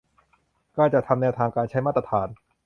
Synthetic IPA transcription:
kaː˥˩t͡ɕa˨ʔt̪ʰa˧mnɛː˧wt̪ʰaː˧ŋkaː˧nt͡ɕʰa˦˥jmaː˥˩t̪a˧t̪ʰaː˩˦n

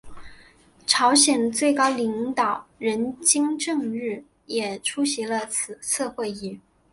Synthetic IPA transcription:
ʈ͡ʂʰɑ˧˥ʊɕjɛ˨˩nt͡swe˥˩ɪkɑ˥ʊli˧˥ŋt̪ɑ˨˩ʊɻə˧˥nt͡ɕi˥ŋʈ͡ʂɤ˥˧ŋɻɻ̩˥˩ | jɛ˨˩ʈ͡ʂʰu˥ɕi˧˥lə˧t͡sʰɹ̩˨˩sʰɤ˥˧xwe˥˧ɪi˥˩

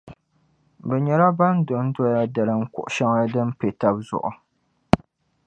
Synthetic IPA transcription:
bɛ˨ɲɛ˨la˦ba˦n˦dʊ˨n̩˦dɔ˦ja˦da˨lɨ˨ŋ̩˦kʊ̰˨ʔʊ˨ʃa˦ŋa˦dɨ˦m˦pe˨ta˦b̚zʊ̰˨ʔʊ˨

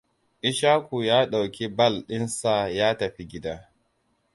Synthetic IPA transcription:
ʔɪ˦ʃaː˦kʷu˨jaː˦ɗa˨wkʲi˦bɐ˦˨lɗɪ˦nsa˨jaː˦tɐ˨ɸi˦ɡʲɪ˦da˦

